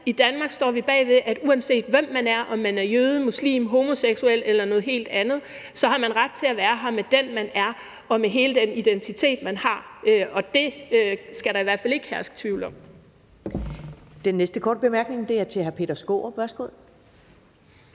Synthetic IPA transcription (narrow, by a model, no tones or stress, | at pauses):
id̥ænmɑ̈ːɡ̥sd̥ɒ̰ːʋib̥ɛ̰ːʋe̝ðˠʔæd̥uænse̝̰ːd̥ʋem̰ːænæɐʔɒ̽mːænæɐjøːð̞ˠəmuslḭːmɦo̝mo̝seɡ̥suel̰elɐnɔ̽ːð̞̩ˠɦe̝̰ːld̥ænð̞̩ˠ | sɒ̽hɑ̈mænʁad̥̚t͡sʰe̝æʋæːɐɦɑ̈med̥enmænæɐ | ɒ̽meɦe̝ːləd̥enid̥ent͡sʰit͡sʰe̝̰ːd̥mænhɑ̈øʔɒ̽d̥e̝øsɡ̥æɾɑ̈iʋæɐ̰̥fæle̝ɡ̥əhæɐsɡ̥ə̥t͡sʰʋḭʊləɒ̽m̰ | d̥enːesd̥əkʰɒ̰ːd̥̚b̥e̝mæɐɡ̥ne̝ŋd̥e̝æɐt͡sʰe̝hæɐpʰe̝̰ːd̥ɐsɡ̥o̝̰ːʋæɐsɡ̥o̝ð̰ˠ